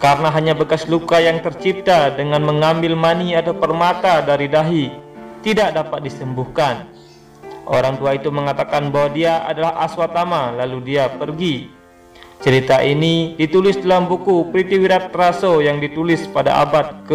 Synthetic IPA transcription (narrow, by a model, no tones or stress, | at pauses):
kaɾənaɦaɲabəkaslukajaŋt̪ərt͡ʃip̚t̪adəŋanməŋambɪlmaniat̪awpərmat̪adaɾidaɦit̪idak̚dapat̪̚disəmbuhkan | ʔo̰ɾaŋt̪uait̪uməŋat̪akanbawadiaʔa̰dalahaswat̪amalaludiapərɡi | t͡ʃəɾit̪aʔinidit̪ulɪsdalambukupɾit̪iwiɾat̪ːɾasojaŋdit̪ulɪspada̰ʔa̰bat̪̚kə